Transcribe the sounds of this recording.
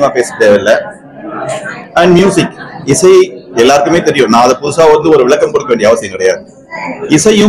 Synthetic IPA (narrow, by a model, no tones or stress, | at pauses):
maːpeːsɯ̥kɽjaːʋɪlːɐ | ɐɳɖmjuːsɪkɪsɐɪɛlːaːɾɯkːɯmeːt̪ɛɾɪjʊ̃nãːɐðɐpʊðɯsaːʋɐnd̪ɯɔɾɯʋɪɭɐkːɐmkɔɽɯkːɐʋeːɳɖɪjɐʋɐsɪjɐ̃mkɪɽɐjaːðɯ | ɪsɐɪjɯ̃